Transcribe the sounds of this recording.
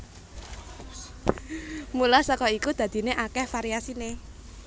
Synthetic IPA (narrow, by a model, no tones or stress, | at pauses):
mulasɔkɔikud̪̥a̤d̪̥i̤neʔakɛhfaɾiasine